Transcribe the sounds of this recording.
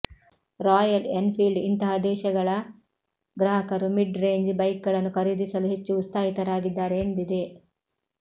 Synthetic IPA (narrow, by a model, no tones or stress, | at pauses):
ɾaːjɐlenpʰilɖint̪ɐɦɐd̪ɛːʃɐɡɐɭɐ | ɡɾɐɦɐkɐɾumiɖɾe̞ːɲd͡ʒbɐjk̚ɡɐɭɐnːukʰɐɾid̪isɐluɦe̞t͡ʃːuːst̪aːɦit̪ɐɾaːɡid̪ːaːɾe̞ːnd̪id̪e̞